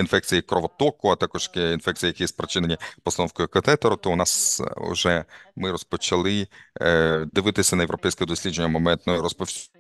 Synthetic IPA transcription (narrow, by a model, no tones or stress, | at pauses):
infɛk̚t͡sʲijikɾɔʋɔt̪ɔkʊat̪akɔʃkinfɛk̚t͡sʲijijɐkijɛspɾɐt͡ʃɪnenʲipɔst̪ɐnɔwskɔjʊkʋt̪ɛt̪ɔɾʊt̪ɔʊnasʊ̰ʒɛmɪɾɔspɔt͡ʃɐlˠɪ | d̪ɪʋɪt̪ɪsʲɐnɐjeʋɾɔpɛjsʲkɛd̪ɔsʲlʲid͡ʒenʲːɐmɔmɛnt̪nɔjʊɾɔspɔ